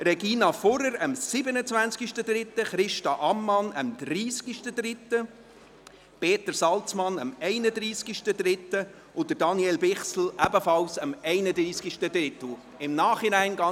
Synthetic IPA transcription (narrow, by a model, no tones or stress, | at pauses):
ɾɛɡiːnɑfɔɾəɾəmsɪbənət͡svænt͡skiʃtəd̪ɾɪt̪ːəχɾɪʃtɑʔɑmːɑnəmd̪̥ɾiːskiʃtəd̪ɾɪt̪ːə | peːt̪əɾsɑlt͡smɑnəmɛɪnəd̪ɾiːskiʃtəd̥̪ɾɪt̪ːə | ʊd̪əɾdɑniɛlbɪχsl̩ʔæbəfɑlsəmɛɪnədɾiːskiʃtəd̪ɾɪt̪l̩ | ɪmnɑːχɪnæɪnɡɑ